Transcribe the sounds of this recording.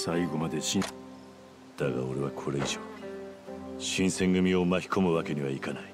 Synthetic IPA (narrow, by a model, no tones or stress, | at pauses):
saiɡo̞mad̪e̞ɕĩ | d̪̥aɡa̰o̞ɾe̞βakʰo̞ɾe̞iʑoː | ɕĩɰ̃sẽ̞ŋɡɯ̟mʲio̞maçʲi̥ko̞mɯ̟βake̞ɲ̟iβaikanai